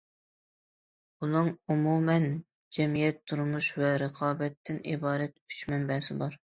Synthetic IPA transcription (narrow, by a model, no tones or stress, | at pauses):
bunɨŋumumɛn | d͡ʒɛmijɛt̪ʰːuɾmuʃwɛɾəqʰɑːbɛt̪ʰːɪnibɑːɾɛt̪yt͡ʃmɛmbɛsɪbɑɾ